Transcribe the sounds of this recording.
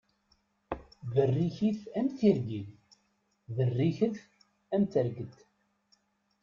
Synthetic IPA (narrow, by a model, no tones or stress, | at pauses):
ðərːiçiθæmθiɾɡiθ | ðərːiçəθ | æmt̪əɾɡət̪ː